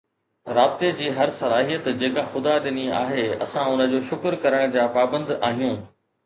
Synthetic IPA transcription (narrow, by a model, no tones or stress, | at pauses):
ɾaːbɪt̪ed͡ʑiːɦɐɾsɐlaːɦijət̪d͡ʑeːkaxʊd̪aɗɪnia̰ːɦeɐ̰sãʊnə̆d͡ʑoːʃʊkɾkɐɾəɽ̃d͡ʑaːpaːbə̃nd̪aːɦijũː